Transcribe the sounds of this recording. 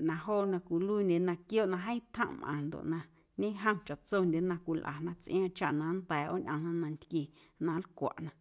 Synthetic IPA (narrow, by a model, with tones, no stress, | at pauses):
nã˧ɦoː˦˨nã˧kʷu˨luː˦nʲe˨˧nã˧kjo˦ʔnã˧ɦə̃˦t̪ʰə̰̃˦˧ʔmʔã̰˨nd̪o̰˨ʔnã˧ | ɲẽ˦ɦə̃˦mt͡ʃa˨t͡so˦˧nd̪ʲe˨˦nã˧kʷi˧lʔa̰˨nã˧t͡sʔĩ˦ã˧t͡ʃa˦˨ʔnã˧˦nd̪ɛː˨ʔo̰˦ɲʔã˧nã˧nã˧nt̪ki˧ | nã˧˦lkʷa̰˨ʔnã˧